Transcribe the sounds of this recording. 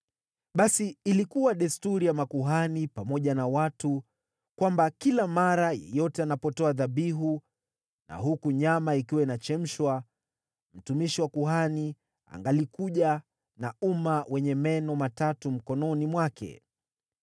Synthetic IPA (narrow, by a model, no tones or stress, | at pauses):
ɓasiːlikuwaɗɛstuɾijamakuɦanipamɔʄanawatu | kwambakilamaɾajɛ̰jɔtɛanapɔtɔaðaɓiɦu | na̰ɦukuɲamaikiwainat͡ʃɛm̩ʃwa | m̩tumiʃiwakuɦani | a̰ŋɡalikuʄa | na̰umawɛɲɛmɛnɔmatatum̩kɔnɔnimwakɛ̰